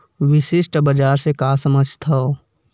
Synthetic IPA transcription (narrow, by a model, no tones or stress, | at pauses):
wɪʃɪʃʈbəd͡ʒaːɾsekasəməd͡ʒʱt̪ʰɐo